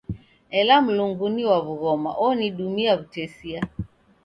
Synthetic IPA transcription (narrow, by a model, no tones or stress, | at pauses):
ɛlam̩luŋɡuniwaβuɣɔma̰ʔɔniɗumiaβutɛsia